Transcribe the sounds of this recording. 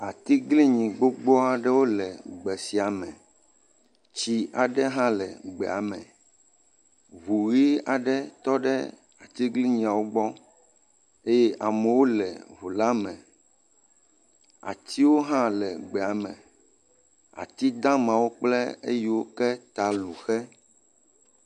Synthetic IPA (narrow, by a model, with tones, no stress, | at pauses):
a˨t̪i˦ɡli˦ɲĩ˨ɡ͡bo˦ɡ͡bɔ˦a˨ɖɛ˦wo˦lɛ˨ɡ͡bɛ˨si˨a˨mɛ̃˨ | t͡ɕi˦a˨ɖɛ˦ɦã˦lɛ˨ɡ͡bɛ˨a˨mɛ̃˨ | βu˨ɣi˦a̰˨ɖɛ˦t̪ɔ˦ɖɛ̰˦ | a˨t̪i˦ɡli˦ɲĩ˨a˨wo˦ɡ͡bɔ˦ | e˦jɛ˦ʔa˨mɛ˨wo˦lɛ̰˨βu˨la˦mɛ̃˨ | a̰˨t̪ʰi˦wo˦ɦã˦lɛ˨ɡ͡bɛ˨a˨mɛ̰̃˨ | a̰˨t̪i˦d̪ã˦mã˨wo˦k͡plɛ̰˦ḛ˦ji˦wo˦kɛ˦t̪a˨lu˨xɛ˦